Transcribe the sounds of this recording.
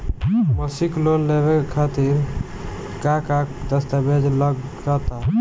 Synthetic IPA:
məsiklonlebekʰat̪iɾ | kakad̪əst̪abʱed͡ʒləɡd͡ʒat̪a

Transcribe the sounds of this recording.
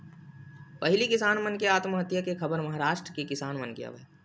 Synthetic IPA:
pɐɦɪlikɪsaːnmɐnkeaːt̪məɦət̪jakekʰɐbəɾmɐɦaːɾaːʃʈɾəkekɪsaːnmɐnkija̰ʋ

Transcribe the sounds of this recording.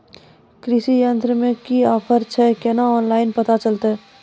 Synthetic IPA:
kɾɪsijə̃nt̪ɾəmẽkiaːfʰəɾt͡ʃʰɛkɛnaɔːnlaːɪnpɐt̪at͡ʃəlt̪aɦɛː

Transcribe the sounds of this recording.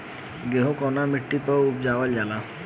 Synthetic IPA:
ɡeɦõkɔːnamɪʈːipəʊpd͡ʒaːʋəld͡ʒaːla

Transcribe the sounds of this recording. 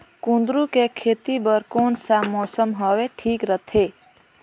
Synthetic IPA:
kũnd̪ɾukekʰet̪ibəɾkoːnsamɔsəmɦɔweʈʰiːkɾət̪ʰe

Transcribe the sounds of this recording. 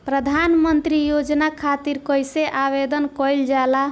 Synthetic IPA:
pɾəd̪ʱanmənt̪ɾijod͡ʒnakʰat̪iɾkəjseʔaβed̪ənkɔjld͡ʒala

